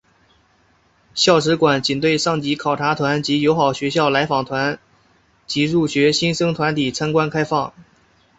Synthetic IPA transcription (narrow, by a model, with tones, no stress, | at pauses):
ɕjɑ˥˩ʊʂɻ̩˧˥kwa˨˩˦nt͡ɕi˨˩nt̪we˥˧ɪʂɑ˥˩ŋt͡ɕi˧˥kʰɑ˨˩ʊʈ͡ʂʰa˧˥t̪ʰwa˧˥nt͡ɕi˧˥jo˧˥ʊxɑ˨˩ʊɕɥɛ˧˥ɕ̬jɑ˥˩ʊla˧˥ɪfɑ˨˩ŋt̪ʰwa˧˥n | t͡ɕi˧˥ɻu˥˩ɕɥɛ˧˥ɕi˥nʂɤ˥ŋt̪ʰwa˧˥nt̪i˨˩t͡sʰa˥nkwa˥nkʰa˥ɪfɑ˥˩ŋ